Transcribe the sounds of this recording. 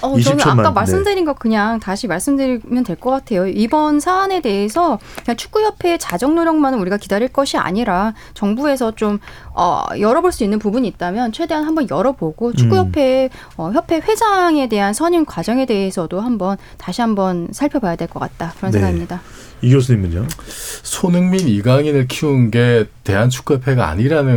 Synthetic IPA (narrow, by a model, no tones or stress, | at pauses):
ʌt͡ɕɡak͈amaɭss͈ɯmdɯɾinɡʌkɯɲaŋtaɕʰimaɭs͈ɯmdɯɾimjʌntwe̞ɭk͈ʌk͈atʰe̞joibʌnsʰaːne̞de̞esʰʌkɯɲaŋt͡ɕʰu̥k͈̚ujʌpʰe̞t͡ɕad͡ʑʌŋnoɾjʌŋmanɯnuɾiɡakidaɾiɭk͈ʌɕʰia̰ɲiɾa | t͡ɕʌŋbue̞sʰʌt͡ɕom | ʌ̰jʌɾʌboɭs͈uinːɯnpubuɲiːt̚t͈amjʌnt͡ɕʰwe̞de̞anɦambʌnjʌɾʌboɡot͡ɕʰukkujʌpʰe̞ | ʌçjʌpʰe̞ɸwe̞d͡ʑaŋe̞de̞ɦansʰʌɲinkwad͡ʑʌŋe̞de̞e̞sʰʌdoɦambʌn | taɕʰiɦambʌnsʰaɭpʰjʌbajadwe̞ɭk͈ʌk͈a̰t̚t͈akɯɾʌnseŋɡaɲimɲida | iɡos̬ʰɯɲimɡɯɲasʰonɯŋminiɡaŋinɯɭkʰiunɡe̞te̞ɦant͡ɕʰu̥k͈ujʌpʰe̞ɡaa̰ɲiɾanɯ